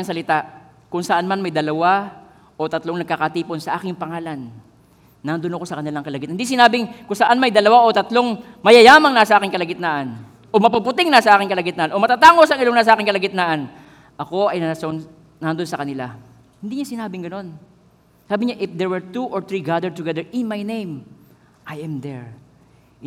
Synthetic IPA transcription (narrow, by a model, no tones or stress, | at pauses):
ɐŋsɐlɪt̪aʔ | kʊŋsɐʔanmanmɐjd̪ɐlɐwa | ʔot̪ɐt̪lo̞ŋnɐɡ̚kaːkɐt̪iːpo̞nsɐʔaːkɪŋpɐŋaːlɐnː | and̪onɐkosɐkɐnɪlaŋkɐlɐɡɪt̪hɪnd̪is̬ɪnaːbɪŋkʊŋsɐʔanmɐjd̪ɐlɐwaʔo̞t̪ɐt̪lo̞ŋ | mɐjɐjaːmɐŋnasɐʔaːkɪŋkɐlɐɡɪt̪naʔɐn | ʔo̞mɐpɐpʊt̪ɪŋnasɐʔaːkɪŋkɐlɐɡɪt̪naʔanʔo̞mɐt̪at̪aːŋosɐŋɪlo̞ŋnas̬ɐaːkɪŋkɐlɐɡɪt̪naʔɐn | ʔɐko̞ʔɐjnɐason | nand̪onsɐkɐnɪla | hɪnd̪iɲasɪnaːbɪŋɡɐno̞n | saːbɪɲaʔɪfd̪ɛɹwɛɹt̪uʔoɹt̪ɹiɡad̪ɛt̪ʊɡɛd̪ɛɹʔɪnmajnejm | ʔajʔɐmd̪ɛɹ